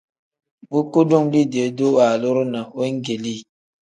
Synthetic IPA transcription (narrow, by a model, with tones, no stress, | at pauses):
bu˦ku˦du˦ŋli˦di˨e˨˦do˦wa˨lo˦ɾu˦na˨we˦ŋ˦ɡe˨li˦˨